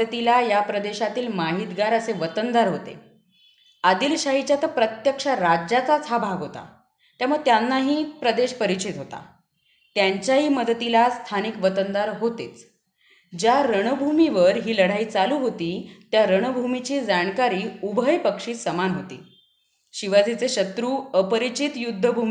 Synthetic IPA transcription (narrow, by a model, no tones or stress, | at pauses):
ət̪ilajapɾəd̪eɕat̪iːlmaɦit̪ɡaɾəseʋət̪ənd̪aɾɦot̪ḛ | ad̪iːlɕaɦit͡ɕjat̪əpɾət̪jəkʂaɾad͡ʑat͡sat͡sʰɦabʱaɡɦot̪a̰ | t̪jaməɡ̚t̪janːaɦiːpɾəd̪eɕpəɾit͡ɕit̪ɦot̪a̰ | t̪jaɲt͡ɕjaɦiːməd̪ət̪ilast̪ʰanikʋət̪ənd̪aɾɦot̪et͡s | d͡ʑjaɾəɳ̃əbʱumiʋəɾɦiːləɽ̤aiːt͡saluːɦot̪iːt̪jaɾəɳ̃əbʱumit͡ɕiːd͡zaɳkaɾiːubʱəjpəkʂiːsəmanɦot̪ḭː | ɕiʋad͡zit͡seɕət̪ɾuːəpəɾit͡ɕit̪jud̪ʱːəbʱumi